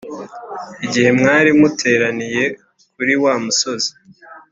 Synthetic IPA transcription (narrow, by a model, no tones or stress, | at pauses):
iɟihe̞mŋaːɾimutʰe̞ːɾanije̞ | k̚uɾiwaːmuso̞zi̥